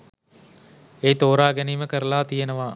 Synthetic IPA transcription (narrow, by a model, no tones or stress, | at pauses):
eːt̪oːɾaːɡæniːməkəɾəlaːt̪ijenəʋa